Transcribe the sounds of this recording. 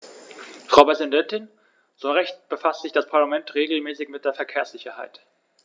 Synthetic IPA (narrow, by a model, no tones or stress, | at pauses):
fʁ̥aʊpʁ̥ɛzindɛntɪn | z̥oːʁɛçt̚b̥əfastz̥ɪçd̥aspʰaɐlamɛntʁeːɡl̩mɛːsɪçmɪt̚d̥eːɐfɛɐkʰeːɐsz̥ɪçɐha̰ɪt